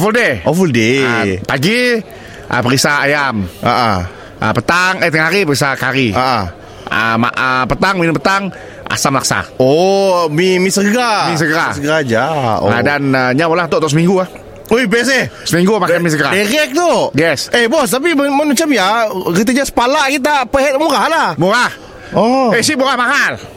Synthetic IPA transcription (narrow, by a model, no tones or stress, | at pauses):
ɔfuldeofuldepaɡi | ʔə̰pəɾisaajamə̰ʔə | ə̰pət̪aŋət̪iŋɦaɾipəɾisakaɾiəʔə | ə̰ma̰ʔəpət̪aŋminəmpət̪aŋ | a̰samlaksa̰omimisəɡɾamis̬əɡəɾasəɡəɾad͡ʒa̰la̰danəɲamolaht̪oʔt̪oʔs̬əmiŋɡuah | uibɛs̬ɛsəmiŋɡumakamis̬əɡəɾaiɾɛk̚t̪oɡɛsehbɔst̪ap̬immmat͡ʃamjaɾit̪̬aɲasə̥palaʔkit̪̬apəɦɛt̪muɾaɦlahmuɾah | oesiʔbuɾahmaɦal